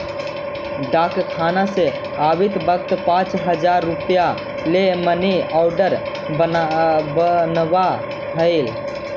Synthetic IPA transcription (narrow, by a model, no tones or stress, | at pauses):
ɖakkʰanase | abit̪bəkt̪pãt͡ʃɦəd͡ʒaɾːupja | leməneaʊɖəɾ | əbənʋa | ɦəl